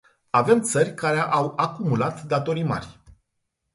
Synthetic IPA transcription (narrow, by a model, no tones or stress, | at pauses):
ave̞mt̪sərʲkaɾeʔawakumulat̪d̪at̪o̞ɾima̰rʲ